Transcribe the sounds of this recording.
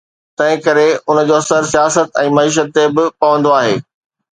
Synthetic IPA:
t̪ɐ̃ɦɪ̃kɐɾeʊnə̆d͡ʑoːɐsəɾsijaːsət̪ɛ̃ːmɐiːʃ̬ət̪ːebɪpɐʋə̃nd̪oaːɦeː

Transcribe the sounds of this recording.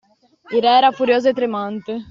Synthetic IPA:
iɾɛɛɾafuɾjoːzʊet̪ɾemãnt̪e

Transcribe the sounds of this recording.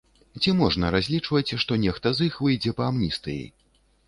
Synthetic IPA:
t͡sʲimɔʐnɐɾazʲlʲit͡ʂvɐt͡sʲʂt̪ɔnʲɛxt̪ɐzixvɨjd͡zʲɛpɐamnʲist̪ɨjḭ

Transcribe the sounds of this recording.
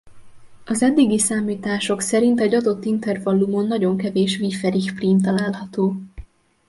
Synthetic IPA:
ɒzɛd̪ːiɡisaːmiːt̪aːʃo̞ksɛɾint̪ɛɟɒd̪o̞t̪ːint̪ɛrvɒlːumo̞nːɒɟo̞ŋkɛveːʃvifɛɾiʃpriːmt̪ɒlaːlhɒt̪oː

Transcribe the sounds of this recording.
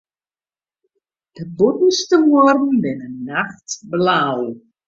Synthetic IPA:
d̥əbutn̩stəmoərdn̩bɪnənːaxtblaw

